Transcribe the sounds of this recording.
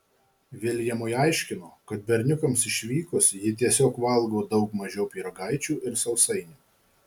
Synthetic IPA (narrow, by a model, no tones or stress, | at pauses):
ʋʲelʲjɛmʊɪɐˑɪʃʲkʲɪnoːkɐt̪bʲɛɾʲnʲʊkɐmsɪʃʲʋʲiːkʊsjɪt̪ʲiɛsʲoːkʋɐlˠɡoːd̪ɒʊkmɐʒʲɛʊpʲiːɾɐɡɑˑɪt͡ʃʲuːʔɪɾsɐʊsɐɪnʲuː